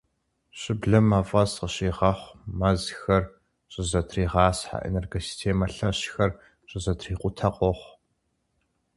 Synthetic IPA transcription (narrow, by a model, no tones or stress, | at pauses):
ɕɪbɮɐmɐvʼɐsqəɕiːʁɐχʷmɐzxɐr | ɕʼɪzɐtʰriːʁɑːsħa̰ʔḛnerɡosi̥stʰeːmɐɬɐɕxɐr | ɕʼɪzɐtʰriːqʷʊtʰɐqʷʼɔχʷ